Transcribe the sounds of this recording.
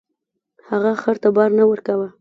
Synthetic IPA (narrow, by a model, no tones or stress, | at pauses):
haɣaxaɾt̪abɑɾnawəɾkawa